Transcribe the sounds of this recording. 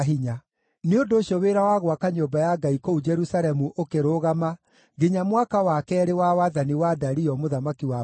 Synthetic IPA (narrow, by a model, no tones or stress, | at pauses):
ɦiɲa | neondoːɕioweɾawaɣwakaɲombajaɡaikoud͡ʒɛɾusaɾɛmuʔokeɾoɣama | ɡeɲamwakawakɛːɾewawaðaniwadaɾiɔmoðamakiwa